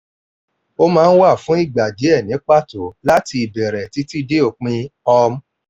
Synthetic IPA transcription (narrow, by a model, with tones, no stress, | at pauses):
o˦mãː˦˧n̩˦wa˦˨fũ˨˦i˦˨ɡ͡ba˨d͡ʒe˨˦ɛ˦˨nĩ˨˦k͡pa˦˨to˨˦la˦ti˧i˨bɛ˨ɾɛ˨ti˨˦ti˦de˦o˧˨k͡pĩ˧ɔ˧m̩˦